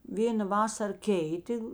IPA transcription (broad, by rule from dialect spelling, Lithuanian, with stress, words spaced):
ˈʋʲeːnɐ ˈʋɑːsɐr ˈkʲɛɪtʲeː